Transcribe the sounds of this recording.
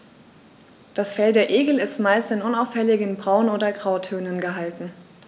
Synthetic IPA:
d̥asfɛldeːɐʔeːɡl̩ɪstmaɪlstɪnʊnaʊfɛlɪɡənbʁaʊnoːdɐɡʁaʊtʰøːnənɡəɦaltn̩

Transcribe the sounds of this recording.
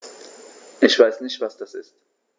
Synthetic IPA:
ʔɪçv̥aɪsnɪçtv̥asd̥asɪst

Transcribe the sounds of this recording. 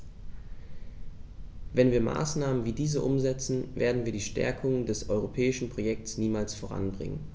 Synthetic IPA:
vɛnviːɐma̰ːsnaːmənviːdiːzəʔʊmzɛt͡sn̩vḛːɐdn̩viːɐdiːʃtɛ̰ɐkʰʊŋədɛsʔɔʏʁ̞opʰɛːɪʃn̩pʁ̥ojɛk̚sniːmaːlsfoʁ̞a̰nbʁɪ̰ŋə̰n

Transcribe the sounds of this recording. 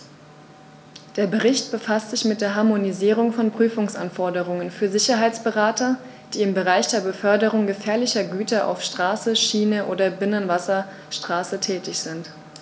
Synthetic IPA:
d̥eːɐbəʁɪçt̚b̥əfastz̥ɪçmɪt̚d̥eːɐɦaɐmoniziːʁ̞ʊŋfɔnpʁ̥yːfʊŋsʔanfɔɐdəʁ̞ʊŋənfyːɐzɪçɐɦaɪt͡sb̥əʁaːtɐ | d̥iːɪmbəʁaɪçd̥eːɐbəfœɐdəʁʊŋɡəfɛːɐlɪçɐɡyːtɐʔa̰ʊfʃtʁ̥aːsəʃiːnəʔo̰ːdɐbɪnənvasɐ | ʃtʁ̥aːsətʰɛːtɪçz̥ɪnt

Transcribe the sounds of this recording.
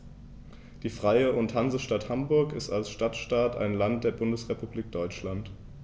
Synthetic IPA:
d̥iːfʁ̥aɪəʊnthanzəʃtathambʊɐkɪstalsʃtatʃtaːta̰ɪnlant̚d̥eːɐbʊndəsʁ̥epubliːk̚d̥ɔʏt͡ʃlant

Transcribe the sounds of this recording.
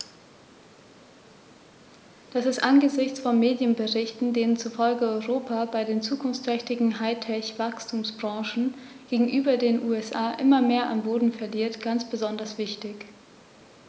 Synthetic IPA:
d̥asɪstʔanɡəzɪçt͡sfɔnmeːdjənbəʁɪçtn̩deːnənt͡suɐfɔlɡəɔʏʁoːpabaɪdeːnt͡suːkʰʊnft͡stʁ̥ɛçtɪɡŋ̩ɦaɪtʰɛçv̥akstʰuːmsb̥ʁɑ̃ːʃn̩ɡ̥eːɡŋ̩ʔyːbɐdeːnʔuːɛsʔaːʔɪmɐmeːɐʔa̰mboːdn̩fɛɐliːɐtɡ̥ant͡sb̥əzɔndɐsv̥ɪçtɪç

